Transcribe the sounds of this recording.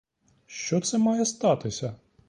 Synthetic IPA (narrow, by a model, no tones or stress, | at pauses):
ʃt͡ʃɔt̪sɛmɑjɛst̪ɑt̪ɪsʲɐ